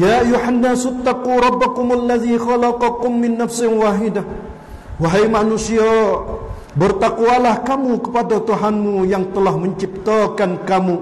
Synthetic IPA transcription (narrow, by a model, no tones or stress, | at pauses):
jaʔajːuħanːaːst̪ːaquɾˤɑbːakʊmalːaðixalɑqɑkʊmːɪnːafsɪnwaːɦɪdah | waɦajmanusia | bərt̪akualahkamukəpadat̪uɦanmujaŋt̪əlahməɲt͡ʃip̚t̪akankamu